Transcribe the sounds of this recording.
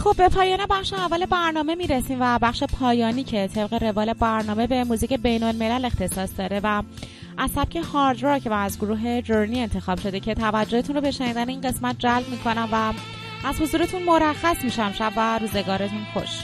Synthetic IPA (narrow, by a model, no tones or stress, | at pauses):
xo̞bːe̞pʰɒːjɒːnebæχʃeævːæːle̞bæɾnɒːme̞miːɾesiːmvæbæχʃe̞pʰɒːjɒːniːcʰe̞t̪ʰe̞b̚ɢeɾe̞vɒːle̞bæɾnɒːme̞be̞muːziːcʰe̞be̞jno̞lme̞læle̞xt̪ʰe̞sɒːsd̪ɒːɾe̞væ | ʔæzsæb̥̚cʰehɒːɾd͡ʒɾɑɾcvæzɡoɾuːɦe̞d͡ʒoɾnie̞nt̪ʰe̞xɒːb̥ʃo̞d̪ecʰe̞t̪ʰævæd͡ʒːoet̪ʰunɾrobe̞ʃeniːd̪æneiːnɢe̞smæt̪̚d͡ʒælbmiːkʰo̞næmvæ | æzhozuːɾe̞t̪ʰunmo̞ɾæxːæsmiʃæmʃæbvæɾuːze̞ɡɒːɾe̞t̪ʰunxo̰ʃ